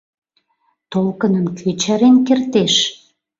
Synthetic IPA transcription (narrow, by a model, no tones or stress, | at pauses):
t̪olkə̆nənkʰøt͡ɕæɾenkert̪eʃ